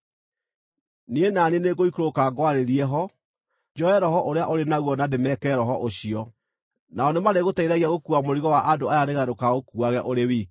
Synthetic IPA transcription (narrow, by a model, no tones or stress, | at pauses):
nienanineɡoikɾokaɡwaɾeɾiɛɦɔ | d͡ʒɔɛɾɔɦɔʔoɾeaʔoɾenaɣwɔnademɛkɛɾɔɦɔʔoɕiɔ | naɔnemaɾeɣotaiðaɣiaɣokuamoɾiɣɔwaʔadoajaɾeɣaɾokaɣokuaɣɛʔoɾewiːk